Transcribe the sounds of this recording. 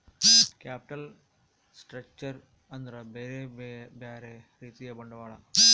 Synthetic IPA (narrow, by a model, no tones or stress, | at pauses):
kʲjaːpi̥ʈɐl | sʈɾɐk̚t͡ʃɐɾ | ɐnd̪ɾɐbeːɾebjaːɾeː | ɾiːt̪ijɐbɐɳɖɐʋaːɭɐ̰